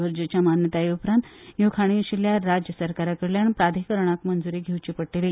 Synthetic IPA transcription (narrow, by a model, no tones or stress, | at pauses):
əɾd͡ʑət͡ɕjamanjət̪aeupɾãnt̪jokʰaɽ̃ĩəɕiljaɾad͡ʑjəsəɾkaɾakəɾljaɳpɾad̪ʱikəɾɳ̃akmənd͡zuɾeɡʱewt͡ɕipəʈːele